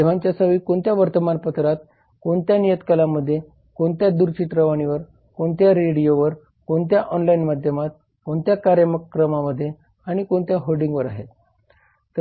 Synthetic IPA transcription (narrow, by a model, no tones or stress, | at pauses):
eʋ̤aɲt͡ɕjasəʋiːkoɳt̪jaʋəɾt̪əmanpət̪ɾat̪ | koɳt̪janijət̪kəlaməd̪ʱːje | koɳt̪jad̪uɾt͡ɕit̪ɾəʋaɽ̃iʋəɾ | koɳt̪jaɾeɽijoʋəɾ | koɳt̪̬jaʔɔnlainmad̪ʱjəmat̪̚ | koɳt̪jakaɾjəməkːɾəmaməd̪ʱːje | aɽ̃ikoɳt̪jaɦoɖĩŋɡʋəɾa̰ɦet̪ | t̪ə